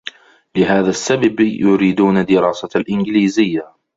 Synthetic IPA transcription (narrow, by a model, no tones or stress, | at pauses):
lɪɦaːðasːababjʊɾiːd̪uːnad̪ɪɾɑːsalʔɪnɡliːzɪjːa